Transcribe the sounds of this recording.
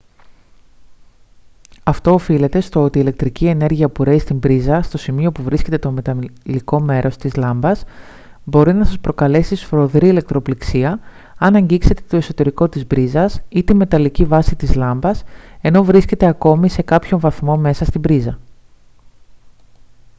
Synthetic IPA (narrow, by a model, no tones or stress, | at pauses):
ɐft̪o̞ːfile̞t̪e̞st̪o̞o̞t̪iːle̞k̚t̪ɾicie̞ne̞ɾʝiɐpuɾe̞ist̪imbɾizɐst̪o̞simio̞puvɾisce̞t̪e̞t̪o̞me̞t̪ɐliko̞me̞ɾʔo̞st̪izlɐmbɐs | bo̞ɾinɐsɐspɾo̞kɐle̞sisfɾo̞ðɾiile̞k̚t̪ɾo̞pliksiɐ | ɐnɐɲɟikse̞t̪e̞̥t̪o̞e̞so̞t̪e̞ɾiko̞t̪izbɾizɐsit̪ime̞t̪ɐlicivɐsit̪izlɐmbɐse̞no̞vɾisce̞t̪e̞ɐko̞mise̞kɐpço̞ɱvɐθmo̞me̞sɐst̪ibɾizɐ